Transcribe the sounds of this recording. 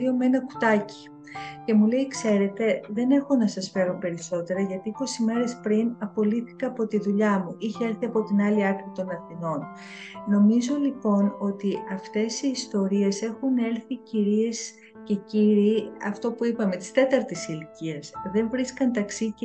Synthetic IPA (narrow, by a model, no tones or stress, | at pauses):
ɾio̞mee̞nɐku̥t̪ɐci̥ | ce̞mule̞jkse̞ɾe̞t̪e̞ðe̞ne̞xo̞nɐsɐsfe̞ɾo̞pe̞ɾiso̞t̪e̞ɾɐʝɐt̪iiko̞sime̞ɾe̞spɾinɐpo̞liθi̥kɐːpo̞t̪iðuʎɐmuʔiçee̞ɾθiɐpo̞t̪inɐliɐɾθɾit̪o̞nɐθino̞n | no̞mizo̞lipo̞no̞t̪iɐft̪e̞siːst̪o̞ɾie̞se̞xune̞ɾθiciɾie̞s | ce̞ciɾiɐft̪o̞puipɐme̞t̪i̥st̪e̞t̪ɐɾt̪isiliciɐsðe̞ɱvɾiskɐnt̪ɐksi